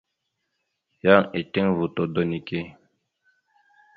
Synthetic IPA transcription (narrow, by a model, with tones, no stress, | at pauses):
ja˦ŋi˨ti˦ŋvu˨t̪o˨d̪o˨ni˨ke˦